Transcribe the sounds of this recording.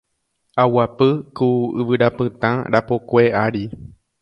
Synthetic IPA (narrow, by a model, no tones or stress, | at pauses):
awapɨkuɨʋɨɾapɨ̃t̪ã̰ɾapokʷeaɾi